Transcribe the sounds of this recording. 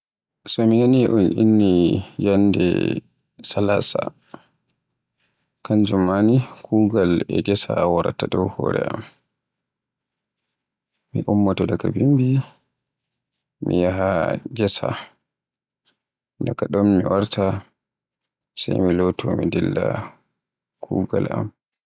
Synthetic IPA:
sɔmiŋaniʔunʔinːijandɛ̰ | salasa | kand͡ʒumːanikʰuɡalɛɡɛsawaɾa̰tːadɔwhɔ̰ːɾɛ̰ʔam | miʔumːatɔdakabimbi | mijaɦaɡɛsa | dakaɗɔnmiwaɾtʰa | sajmilɔtʰɔmidɛlːa | kʰuːɡalam

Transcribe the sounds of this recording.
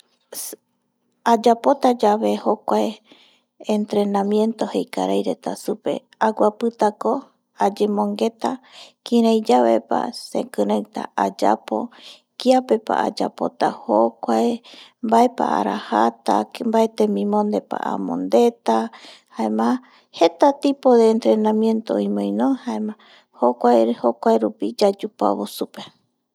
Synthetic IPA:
ad͡ʒapo̞t̪ad͡ʒaβe̞hokʷae | ent̪ɾe̞nãmjẽ̞nt̪o̞hejkaɾajɾe̞t̪asupe̞̰ | aɡʷapɨt̪ako̞ | ad͡ʒe̞mõ̞ŋɡe̞t̪akĩɾajd͡ʒaβḛpa̰sḛkɨɾawt̪a̰ad͡ʒa̰po̞̰ | kiape̞pa̰ad͡ʒapo̞̰t̪ahokʷaembaepa̰a̰ɾahat̪a̰mbaet̪emĩmõnd̪e̞pa̰ʔa̰mõ̰nd̪e̞t̪ahaemã | he̞t̪at̪ipod̪eːnt̪ɾe̞nãmjẽ̞nt̪oĩmõjnõhaemã | hokʷahokʷaeɾupid͡ʒad͡ʒupa̰βosupe

